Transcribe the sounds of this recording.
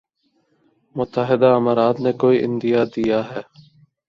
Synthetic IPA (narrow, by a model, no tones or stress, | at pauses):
mʊt̪ːəɦɪd̪aːəmaːɾaːd̪neːkoːiːʔɪnd̪ɪjaːd̪ijaːɦɛː